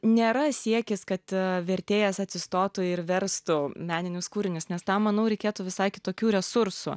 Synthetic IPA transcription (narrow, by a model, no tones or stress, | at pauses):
nʲeːɾɐsʲiɛkʲɪskɐt̪ʋʲɛɾʲt̪ʲeːjɛsɐt̪ʲsʲɪst̪oːt̪ʊɪɾʋʲɛɾst̪ʊmʲæːnʲɪnʲʊskuːɾʲɪnʲʊsnʲɛst̪ɑmːɐnɐʊɾʲɛɪkʲeːt̪ʊʋʲɪsɐɪkʲɪt̪oːkʲuːɾʲɛsʊɾsʊ̰